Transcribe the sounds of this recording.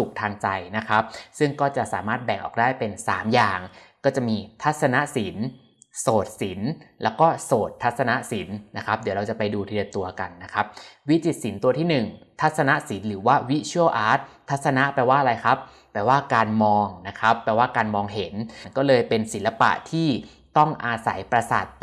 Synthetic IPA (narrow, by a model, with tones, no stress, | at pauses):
su˨˩k̚t̪ʰaː˧ŋt͡ɕa˧jna˦˥kʰa˦˥p̚sɯ˥˩ŋkɔː˥˩t͡ɕa˨˩ʔsa̰ː˩˦maː˥˩t̪̚bɛ˨˩ŋʔɔ̰ː˨˩k̚daː˥˩jpe˧nsa̰ː˩˦mjaː˨˩ŋkɔː˥˩t͡ɕa˨˩ʔmiː˧t̪ʰa˦˥t̪̚sa˧na˦˥ʔsi˨˩˦n | soː˨˩t̪̚si˩˦nlɛː˦˥wkɔː˥˩soː˨˩t̪ʰːa˦˥t̪̚sa˧na˦˥ʔsi˨˩˦nːa˦˥kʰa˦˥p̚di˨˩˦ɾa˧wt͡ɕa˨˩pa˧jduː˧t̪ʰi˧ɯ˧t̪u˧ɐka˧nːa˦˥kʰa˦˥p̚wi˦˥t͡ɕi˨˩t̪̚si˩˦nt̪u˧ɐt̪ʰiː˥˩nɯ˨˩ŋt̪ʰa˦˥t̪̚sa˧na˦˥ʔsi˩˦nɾɯː˩˦waː˥˩wi˦˥t͡ɕʰu˥əwʔaː˦˥t̪ʰːa˦˥t̪̚sa˧na˦˥ʔpɛː˧waː˥˩ʔɾa˧jkʰa˦˥pː | ɛː˧waː˥˩kaː˧nmɔː˧ŋna˦˥kʰa˦˥pːɛː˧waː˥˩kaː˧nmɔː˧ŋɦe˩˦nnkɔː˥˩lɤː˧jpe˧nsi˩˦nla˧pa̰˨˩ʔt̪ʰiː˥˩ | t̪ɔ˥˩ŋʔaː˧sa̰˩˦jpɾa˧sa̰˨˩t̪̚